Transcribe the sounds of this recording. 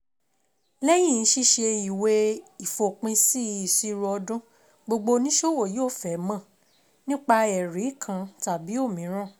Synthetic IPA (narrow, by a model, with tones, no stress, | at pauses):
lɛ˦j̃ĩ˦˨˧ʃi˧ʃe˧i˨we˧i˨fo˨k͡pĩ˧si˦i˨si˧ɾɔ˧dũ˦ | ɡ͡bo˧ɡ͡bo˧nĩ˦ʃo˦˨wo˦˨joː˦˨fɛ˨mã˦˨ | nĩ˦k͡pa˧ɛ˨ɾi˨˦˨kʰã˧ta˨bi˨˦o˦˨mĩ˨˦ɾ̃ã˦˨